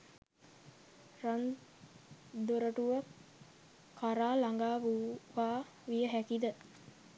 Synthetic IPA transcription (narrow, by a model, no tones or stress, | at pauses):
ran | d̪oɾəʈuʋak | kaɾaːlaŋɡaːʋuʋaː | ʋijəɦækid̪ə